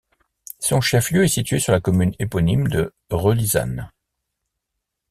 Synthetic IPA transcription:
sɔ̃ʃɛfljøɛsit̪ɥesyʁlakɔmynepɔnimd̪ə | ʁøliza̰n

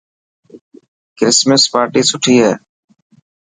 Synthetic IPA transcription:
kɾɪsməspaːɾʈiːsʊʈʰiːɦɛː

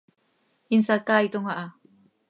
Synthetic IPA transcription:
insakaːit̪oŋaʔa

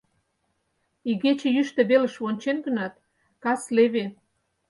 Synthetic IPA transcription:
iɣet͡ɕĕjyʃt̪ĕβelə̆ʃβonʲt͡ɕenɡə̆nɑt̪̚ | kɑsleβe

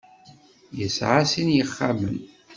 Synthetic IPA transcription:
jəsʕasinjəχːamən

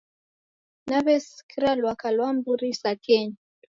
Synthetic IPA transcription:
naβɛskiɾalwakalwambuɾisakʰɛɲ

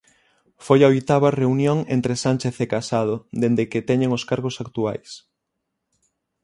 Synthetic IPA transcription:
fojɐojt̪aβɐreunjoŋḛnt̪ɾesanʲt͡ʃeθekasað̞od̪end̪eket̪ɛɲeŋoskaɾɣosakt̪ua̰js

